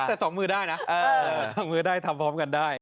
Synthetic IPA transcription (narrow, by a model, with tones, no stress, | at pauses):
ɛː˨˩sɔː˩˦ŋmɯː˧daː˥˩jna˦˥ʔɤː˧sɔː˩˦ŋmɯː˧daː˥˩jt̪ʰa˧mpʰɔː˦˥mka˧ndaː˥˩j